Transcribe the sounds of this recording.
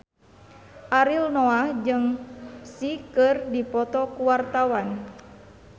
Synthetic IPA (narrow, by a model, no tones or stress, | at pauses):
ʔaɾilnɔahd͡ʒɨŋsikɨrdipɔt̪ɔkuwart̪awan